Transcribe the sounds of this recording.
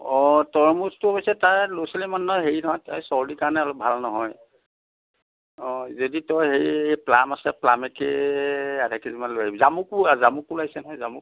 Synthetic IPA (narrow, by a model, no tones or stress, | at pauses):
ɔtɔɹmustʊbɔjsɛtaɹloselimanːɔjɦeɹinɔɦɔjtɔjsɔɹdikaɹnɛalok̚bʱalnɔɦɔj | ɔzoditɔjɦeɹiejplamasɛplamɛke | adakizimanlojaibzamuk̚uazamuk̚ulajsɛnɔjzamʊk